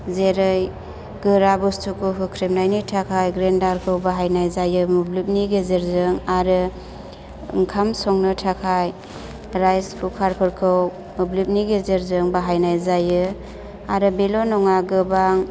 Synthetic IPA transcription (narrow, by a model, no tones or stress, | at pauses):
zeɾɯj | ɡɯɾabustʰukʰuɦɯkʰɾip̚najnitʰakʰajɡɾendaɾkʰɯwbaɦajnajzajɯmublip̚niɡezeɾzɯŋaɾɯ | ŋkʰamsɔŋnɯtʰakʰaj | ɾajspukʰaɾpʰɯɾkʰɯw | mɯblip̚niɡezeɾzɯŋbaɦajnajzajɯ | aɾɯbilɔnɔŋaɡɯbaŋ